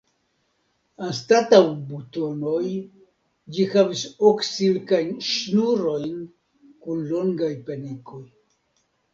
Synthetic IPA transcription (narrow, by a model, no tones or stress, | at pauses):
anstatawbuto̞no̞j | d͡ʒihavisoksilkajnʃnuɾo̞jn | kunloŋɡajpeniko̞j